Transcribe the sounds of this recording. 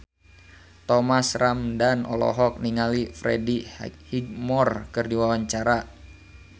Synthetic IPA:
t̪ɔmasramdanʔɔ̰lɔ̰ɦɔk̚niŋalifɾɛdihiɡ̚mɔrkɨrdiwawaɲt͡ʃaɾa

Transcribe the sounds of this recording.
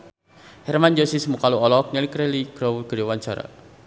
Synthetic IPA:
hɛrmand͡ʒɔsismukaluɔlɔk̚ɲalikɾɛliɡ̥ɾɔwɡ̥əɾewaɲt͡ʃaɾa̰

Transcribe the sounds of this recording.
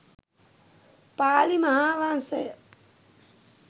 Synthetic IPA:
paːlimɐɦaʋãnsej

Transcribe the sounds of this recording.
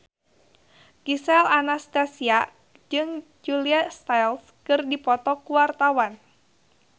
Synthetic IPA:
kisɛlanast̪asia | d͡ʒɨŋd͡ʒuliast̪ajls | kɨrdipɔt̪ɔkuwart̪awan

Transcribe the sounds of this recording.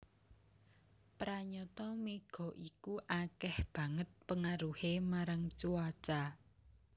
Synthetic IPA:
pɾaɲɔt̪ɔmeɡ̥ɔ̤ʔikuʔakɛhb̥ä̤ŋət̪̚pəŋaɾuhemaɾaŋt͡ʃuat͡ʃa

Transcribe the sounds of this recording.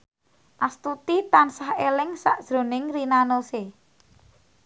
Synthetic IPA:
ʔast̪ut̪it̪ansahelɪŋsaʔd̥ʒ̥ɾo̤nɪŋrinanose

